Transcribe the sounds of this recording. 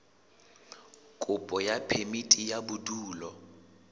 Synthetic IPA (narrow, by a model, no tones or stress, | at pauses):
kʼʊpʼɔjapʰemitʼijabuduːlɔ